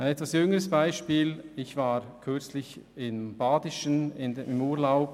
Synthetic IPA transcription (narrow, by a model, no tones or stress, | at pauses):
ʔaɪnɛtvasjʏŋəʁəsb̥aɪʃpiːlɪçv̥aːʁkʰʏɐt͡slɪçɪnb̥aːdɪʃənɪndɪmuːɐlaʊp